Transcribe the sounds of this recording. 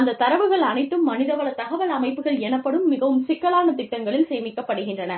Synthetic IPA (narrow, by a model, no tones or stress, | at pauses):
ɐnd̪ɐt̪ːɐɾɐʋɯɣɐɭɐnɐɪt̪ːɯmːɐnɪðɐʋɐɭɐt̪ɐɣɐʋɐlɐmɐɪpːɯɣɐɭɛnɐpːɐɽɯmːɪɣɐʋɯmsɪkːɐɭaːnɐt̪ɪʈːɐŋɡɐɭɪlseːmɪkːɐpːɐɽɯɣɪndrɐnɐ